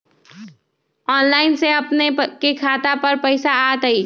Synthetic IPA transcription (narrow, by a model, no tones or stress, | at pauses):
ɔːnlaːɪnseɐpnekekʰaːt̪apɐɾpəɪsaaːt̪əi